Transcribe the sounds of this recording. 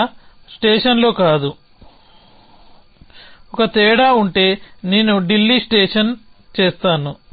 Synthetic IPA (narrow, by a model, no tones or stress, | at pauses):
sʈeːʂɐnlo̞ːkaːd̪u | ɔkɐt̪ɛːɽaːuɳʈe̞ːneːnuɖilːiːsʈeːʂɐn | t͡ʃeːst̪aːnu